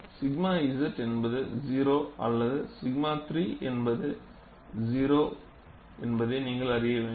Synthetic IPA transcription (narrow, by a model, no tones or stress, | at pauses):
sɪɡmaːɪsɐʈːɛnbɐðɯziːɾoːʔɐ̰lːɐðɯsɪɡmaːt̪ɾiːʔɛnbɐðɯ | d͡ʒiːɾoː | ɛnbɐðeːniːŋɡɐɭɐɾɪjɐʋẽː